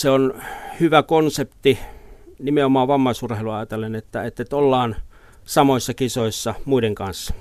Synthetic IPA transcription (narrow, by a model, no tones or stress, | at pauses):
seonhyʋækonsept̪inimeomɑːʋɑmːɑisurheiluɑjɑt̪elːˑenet̪ːæet̪ːet̪olːɑːn | sɑmoisːɑkisoisːɑmuideŋkɑnsːɑ̥